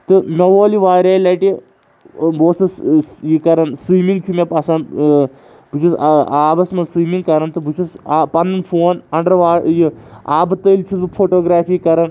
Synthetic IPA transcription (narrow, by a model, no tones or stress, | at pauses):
t̪ɨmʲɐʋoːliʋaːɾʲaːjlaːʈi | boːsɐsjikɐɾɐnsʋiːmiŋɡt͡ʃʰumʲepɐsɐn | but͡ʃʰusaːbɐsmɐnsʋiːmiŋɡ̚kɐɾɐnt̪ɨbʱut͡ʃʰusapɐnnfʰoːnɐɳɖɐɾʋaːjiaːbɨt̪əlʲt͡ʃʰut̪ɨpʰoːʈoːɡɾaːfiikɐɾɐn